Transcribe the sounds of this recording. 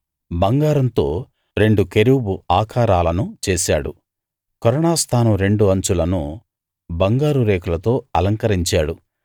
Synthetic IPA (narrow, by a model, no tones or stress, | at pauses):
bɐŋɡaːɾɐnt̪o̞ː | ɾe̞ɳɖuke̞ɾibuaːkʰaːɾaːlɐnut͡ʃeːsa̰ːɽṵ | kɔɾɔɳaːst̪ʰaːnɐmɾe̞ɳɖuɐɲt͡ʃulɐnṵ | bɐŋɡaːɾuɾeːkulɐt̪o̞ːɐlɐŋkɐɾiɲt͡ʃaːɽu